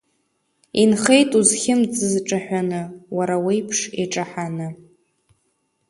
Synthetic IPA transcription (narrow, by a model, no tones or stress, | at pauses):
inχejtʼuzχʲɪmd͡zɨzʈ͡ʂʼaħᶣʷanɨwaɾawejpʰʂeʈ͡ʂʼaħanɨ